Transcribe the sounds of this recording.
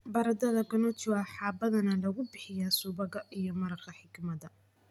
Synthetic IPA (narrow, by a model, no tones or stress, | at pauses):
bɐɾɐd̪ɐðɐɡɐnɔt͡ʃʊwaħɑːbɐðɐnɐlɐɣʊbɪħɪjaːsuːbɐɣɐʔijɔmɐɾɐrkʰɐħɪkmɐd̪ɐ